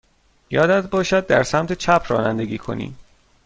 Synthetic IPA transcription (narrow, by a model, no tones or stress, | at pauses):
jɒːd̪æd̪bɒːʃæd̪̚ːæɾsæmt̪ʰe̞t͡ʃʰæpʰrɒ̰ːnænd̪e̞ɡiːkʰo̞̰nḭːm